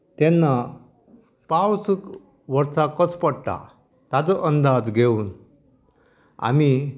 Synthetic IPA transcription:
t̪ɛnːa | pawsk | ʋəɾsakət͡spəɽʈa̰ | t̪ad͡zəʔənd̪ad͡zɡʱeuːn | a̰mi

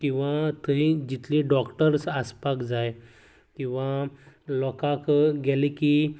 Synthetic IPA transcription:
kĩw̃ʋat̪əid͡ʑit̪liɖɔkʈəɾsaspakd͡zaj | kĩw̃ʋalɔkakɡɛlikiː

